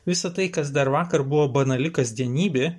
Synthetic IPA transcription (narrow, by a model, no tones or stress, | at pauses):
ʋʲɪsɐt̪ɐɪkɐs̬d̪ɐɾʋɑːkɐɾbʊʋoːbɐnɐlʲɪkɐsd̪ʲiɛnʲiːbʲeː